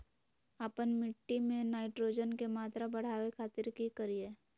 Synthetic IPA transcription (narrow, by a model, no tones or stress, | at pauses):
apənmɪʈːimẽnaːɪʈɾoːd͡ʒənkemaːt̪ɾabɐɽ̤aːʋekʰaːt̪ɪɾkikəɾieː